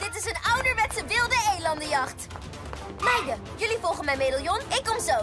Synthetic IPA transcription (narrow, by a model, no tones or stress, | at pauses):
d̥ɪtɪsənʌwdəɹmɛtsəʋɪlˠdəejlɑndəjɑχt | mɛjjə | jɵlivɔlˠχənmɛjmejdəlˠjɔnɪkːɔmzow